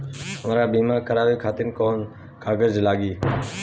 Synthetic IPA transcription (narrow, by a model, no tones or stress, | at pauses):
mɾaːbiːmãːkəɾaːʋiːkʰaːt̪ɪnkoːn | kʰaːɡəɾd͡ʒlaːɠiː